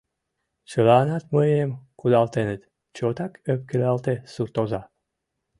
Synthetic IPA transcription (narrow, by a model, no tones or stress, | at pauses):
t͡ɕəlɑːnɑt̪məjemkud̪ɑlt̪enet̪ | t͡ɕot̪ɑkøp̚kelɑlt̪esurt̪ozɑ